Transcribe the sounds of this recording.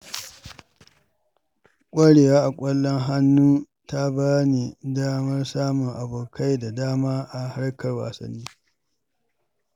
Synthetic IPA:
kʷʼɐ˦ɽeː˨waː˦ʔa˨kʷʼɐ˦lːɔ˦ŋɦa˦nːuː˦ | ta˦baː˦ni˨daː˦mɐ˦rsaː˦mʊ˨ŋʔa˨boː˨ka˦jda˨daː˦maː˦ʔa˨ha˦ɽɐ˦kɐ˨rwa̰ː˨sɐ̰˦nːiː˦

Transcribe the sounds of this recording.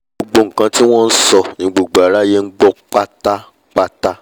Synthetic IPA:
o˧ɡ͡bo˧ŋ̩˨kã˧ti˦w̃ɔ̃˦n̩˦sɔ˧nĩ˧ɡ͡bo˨ɡ͡ba˨ɾa˨˦je˦ŋ̩˦ɡ͡bɔ˦k͡pa˦ta˦ | k͡pa˦ta˦

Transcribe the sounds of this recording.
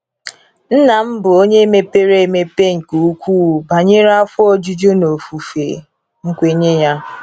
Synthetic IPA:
n̩˦na˨m̩˦bʊ˨o˦ɲe˦e˦me˦pe˦ɾe˦e˦˨me˦pe˦ŋ̩˨ku˨u˦kʷuː˦˨ba˨ɲe˦ɾa˦fʊ˦ɔ˦d͡ʒu˦d͡ʒo˦no˨fu˨fḛ˨ | ŋ̩˦kʷe˦ɲe˦ja˦

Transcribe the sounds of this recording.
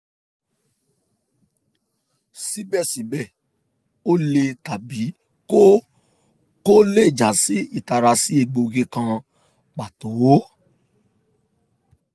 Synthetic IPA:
si˨˦bɛ˦˨si˨˦bɛ˦˨ | o˦le˧ta˨bi˨˦ | ko˦ | ko˦le˦˨d͡ʒa˨si˦i˦˨ta˨ɾa˧si˦e˧˨ɡ͡bo˧ɡe˧kã˧ | ɡ͡ba˨to˨˦wo˦

